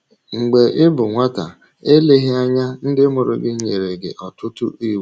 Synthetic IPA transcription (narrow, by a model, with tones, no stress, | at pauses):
ŋ͡m̩˨ɡ͡be˨ʔɪ˦bʊ˨ŋʷa˦ta̰˨ | e˦le˦ɦɪ˦a˦ɲa˦n̩˦dɪ˦mʊ˨ɾʊ̰˨ɡɪ˦ɲe˨ɾe˨ɡɪ̰˨ʔɔ˨tʊ˦tʊ̰˦i˦˨we˦